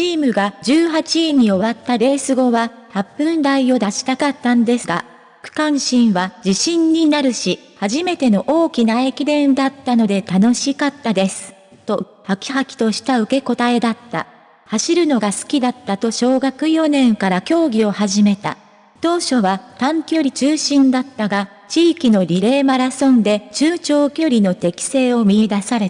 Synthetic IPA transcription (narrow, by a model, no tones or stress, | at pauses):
t͡ɕiːmɯ̟ɡad͡ʑɨːɦat͡ɕiːɲ̟io̞βat̪ːaɾe̞ːsɨɡo̞βa | hapːɯ̟̃nd̪aijo̞d̪aɕi̥t̪akat̪ːãnod̪e̞sɨɡa̰ | kɯ̥kãɰ̃ɕĩɰ̃βad͡ʑiɕĩɲ̟ːinaɾɯ̟ɕi | haʑime̞t̪e̞no̞ʔo̞ːkʲinae̞kʲid̪ẽ̞nd̪at̪ːano̞d̪e̞t̪ano̞ɕikat̪ːad̪e̞sɨ̥ | t̪o̞ | hakʲi̥hakʲi̥t̪o̞ɕi̥t̪aɯ̟ke̞ko̞t̪ae̞d̪at̪ːa̰ | haɕiɾɯ̟no̞ɡasɨ̥kʲid̪at̪ːat̪o̞ɕo̞ːɡakɯ̟jo̞nẽ̞ŋkaɾakʲo̞ːɡʲio̞haʑime̞t̪a̰ | t̪o̞ːɕo̞βat̪ãŋkʲo̞ɾʲit͡ɕɨːɕĩnd̪at̪ːaɡa | t͡ɕiːkʲino̞ɾʲiɾe̞ːmaɾasõ̞nd̪e̞t͡ɕɨːt͡ɕo̞ːkʲo̞ɾʲino̞t̪e̞kʲi̥se̞ːo̞mʲiid̪asaɾe̞t̪